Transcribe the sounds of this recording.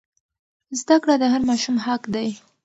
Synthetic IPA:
zd̪akɽad̪əɦaɾmɑʃumhakd̪aj

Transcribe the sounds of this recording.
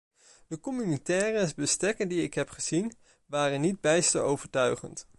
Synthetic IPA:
dəkɔmynitɛːrəbəstɛkəndiɪkɦɛpχəz̥in | ʋaːrənːid̚bɛjstə̰owvəɹtœɥχə̰nt

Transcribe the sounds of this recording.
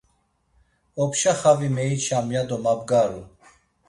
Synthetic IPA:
ɔpʰʃaχavimɛit͡ʃʰamjad̪ɔmabɡaɾu

